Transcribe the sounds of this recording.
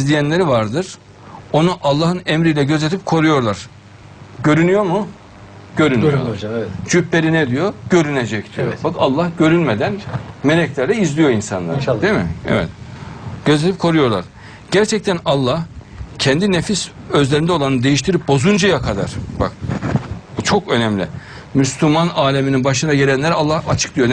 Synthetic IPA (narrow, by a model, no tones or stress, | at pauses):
zlʲijænlʲeɾivaɾd̪ɯɾ̥ | o̞nuʔalˠːaːhɯnɛmɾijlʲɛɟøzet̪ʰip̚kʰo̞ɾujo̞ɾlˠaɾ̥ | ɟø̞ɾynyjo̞mu | ɟ̥ø̞ɾyno̰t͡ʃʰybeɾinɛd̪ijo̞ɟø̞ɾyned͡ʒɛct̪ʰijo̰bakalˠːahɟø̞ɾynmed̪ænmelɛclʲæɾlɛizlʲijo̞insa̰nlˠa̰ɾd̪emḭɛ̰vɛ̰t̪ɟ̥øzet̪ʲip̚kʰo̞ɾujo̞ɾlˠa̰ɾ̥ | ɟ̥æɾt͡ʃʰɛc̚t̪ænɑlˠːah | cʰɛnd̪inefisøzlʲe̞ɾind̪ɛo̞lˠanɯd̪e̞jiʃt̪ʰiɾip̚bo̞zund͡ʒajakʰad̪a̰ɾ̥ba̰k̚ | ut͡ʃʰo̞kø̞nɛmlʲḭ | myslʲymanaːlʲemininbaʃɯnaɟelʲænlʲæɾalˠːahat͡ʃʰɯ̥k̚d̪ijon